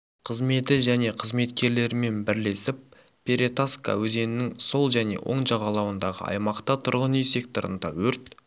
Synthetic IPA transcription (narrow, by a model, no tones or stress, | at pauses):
qʰəzme̞t̪ɪʒæne̞qʰəzme̞t̪kʲe̞ɾle̞ɾɪme̞nbɪɾle̞sɪp̚ːʰʲ | eɾe̞t̪aska̰wɵze̞nɪnɪŋso̞lˠʒæne̞̰wʔo̞̰ɴʒɑʁɑlˠɑwənd̪ɑʁə̰ɑ̰jmɑqt̪ɑt̪ʰʊɾʁənijse̞k̚t̪oɾə̰nd̪ɑwɵɾt̪